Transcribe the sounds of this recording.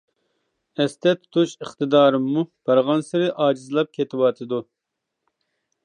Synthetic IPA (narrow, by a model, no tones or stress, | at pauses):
ɛst̪ʰɛt̪ʰt̪ʰuʃəχt̪ɨd̪ɑːɾɨmːub̥ɑɾʁɑnsɨɾɨʔɑːd͡ʒizɨlˠɑp̚kʲʰet̪ʰɪwɑt̪ʰɨd̪u